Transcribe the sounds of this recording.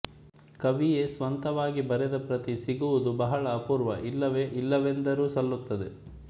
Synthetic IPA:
kɐʋije̞sʋɐnt̪ɐʋaːɡibɐɾɛd̪ɐpɾɐt̪isiɡuʋud̪ubɐɦɐɭɐːpuːɾʋɐʔilːɐʋeʔilːɐʋend̪ɐɾuːsɐlːut̪ːɐd̪e̞

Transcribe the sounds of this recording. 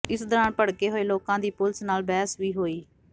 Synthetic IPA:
ɪsd̪ɔːɾãːnpəɽkeːɦoːeːloːkãːd̪iːpʊlsnaːlbɛːsʋiːɦoːiː

